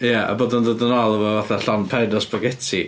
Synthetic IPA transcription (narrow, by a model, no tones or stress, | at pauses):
jaʔa̰boːdəndodənalˠəvɔvaθaɬanpʰɛdɔsbɔɡɛtʰi